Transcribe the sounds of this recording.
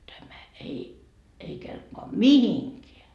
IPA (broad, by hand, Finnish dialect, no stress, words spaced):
tæmæ ei ei kelpoɑ mihiŋkeæ